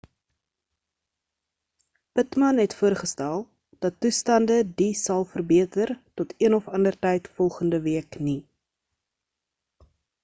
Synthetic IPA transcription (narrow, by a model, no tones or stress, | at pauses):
pətmɐnɦɛtfuərχəstælˠ | d̥ɐtːustɐndədisɐlˠfərbiətərtɔtʰiənɔfɐndərtɛjtfɔlˠχəndəviəkni